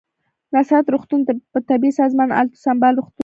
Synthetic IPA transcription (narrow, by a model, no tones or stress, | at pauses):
nasat̪ɾuxt̪unt̪apət̪abisɑzmɑna̰lt̪ḁsambɑlɾuxt̪u